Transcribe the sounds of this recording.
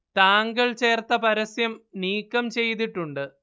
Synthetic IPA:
t̪aːŋɡɐɭt͡ɕe̞ːrt̪ɐpɐɾɐsjɐmniːkːɐmt͡ɕe̞jt̪̬iʈːuɳɖɨ

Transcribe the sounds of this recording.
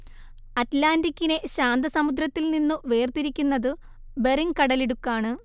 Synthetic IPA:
ɐtlaːndikʲːine̞ɕaːnd̪ɐsɐmud̪rɐt̪ːilninːuʋe̞ːrt̪iɾikʲːunːɐðɨ | be̞riŋkɐɽɐleɽukːaːɳɨ

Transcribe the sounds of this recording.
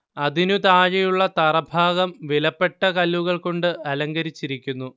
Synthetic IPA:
ɐðinut̪aːɻɐjuɭːɐt̪ɐrɐbʱaːɣɐmʋilɐpːe̞ʈːɐkɐlʋuɣɐɭko̞ɳɖɨʔɐlɐŋɡɐɾit͡ɕːiɾikʲːunːu

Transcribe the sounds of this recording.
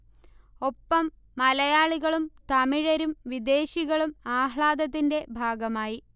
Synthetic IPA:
o̞pːɐmː | ɐlɐjaːɭiɣɐɭumt̪ɐmiɻɐɾumʋid̪e̞ːɕiɣɐɭumaːɦɭaːd̪ɐt̪̬ːinde̞bʱaːɡɐmaːji

